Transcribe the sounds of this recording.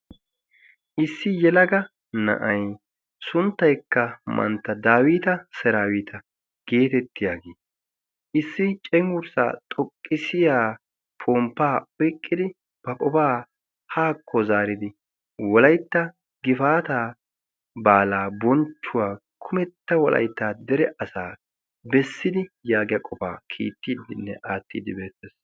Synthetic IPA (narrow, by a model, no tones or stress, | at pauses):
ʔɪsːɪjɛlɐɡɐ | nɐ̰ʔɐj | sʊnt̪ːɐjkːɐmʔɐ̰nt̪ːɐd̪aːwiːt̪ɐsɛɾaːwiːt̪ʰɐ | ɡ̥e̞ːt̪ɛt̪ːɪjaːɡeː | ʔɪsːɪt͡ʃʼɛmʊɾsa̰ːt̪ʼɔkʼːɪsɪjaː | pʰoːmpːaːɔjkʼːɪd̪ɪ | b̥ɐkʼɔpaː | haːkʰːɔzaːɾɪd̪ɪ | wɔlɐjt̪ːɐ | ɡɪfaːt̪aː | baːlaːbɔnt͡ʃːʊwaːkʰʊmɛt̪ːɐwɔlʔɐ̰jt̪ːaːd̪ɛɾɛʔɐsaː | bɛsːɪd̪ɪjaːɡɪjɐkʼɔpa̰ːkʰḭːt̪ːiːd̪ɪnːɛʔaːt̪ːiːd̪ɪbe̞ːt̪ːeːs